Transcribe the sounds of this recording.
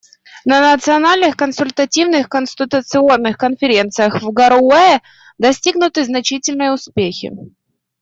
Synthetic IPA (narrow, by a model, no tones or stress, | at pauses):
nənət̪sɨɐnalʲnɨxkənsʊlʲt̪ətʲivnɨxkənsʲt̪ʲɪt̪ʊt̪sɨo̞nːɨxkənfʲɪɾʲe̞nt̪sɨjəxvɡəɾɛ | d̪ɐsʲtʲiɡnʊt̪ɨznɐt͡ɕitʲɪlʲnəjəʊspʲexʲɪ̰